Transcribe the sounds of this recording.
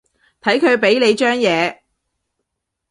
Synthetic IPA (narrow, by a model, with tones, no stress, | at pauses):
t̪ʰɐ˨˥jkʰɵ˨˧ɥpe˨˥jle˨˧jt͡ʃœː˥ŋjɛː˨˧